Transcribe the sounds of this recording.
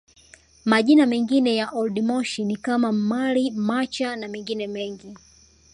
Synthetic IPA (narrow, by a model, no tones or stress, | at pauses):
maʄinamɛŋɡinɛjaʔɔlɗimɔʃinikamam̩malimat͡ʃanamɛŋɡinɛmɛŋɡi